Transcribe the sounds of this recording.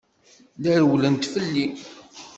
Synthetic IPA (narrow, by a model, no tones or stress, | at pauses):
liɾwlənt̪fəlːi